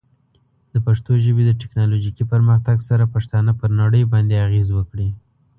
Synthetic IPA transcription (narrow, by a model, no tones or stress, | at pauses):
d̪̥əpaʂt̪oʒəbed̪əʈɪknɑloʒikipəɾməxt̪aɡsaɾapaʃt̪ɑnapəɾnaɽəjbɑnd̪eaɣezwəkɽi